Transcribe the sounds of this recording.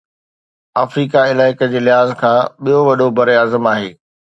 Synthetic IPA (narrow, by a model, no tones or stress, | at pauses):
aːfɾiːkaɪlaːɪkəd͡ʑeːlɪɦaːzkʰãːɓijoʋɐɗobɐɾaːzəmaːɦeː